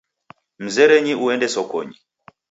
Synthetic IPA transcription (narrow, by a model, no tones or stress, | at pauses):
m̩zɛɾɛɲiuɛndɛsɔkɔ̰ɲi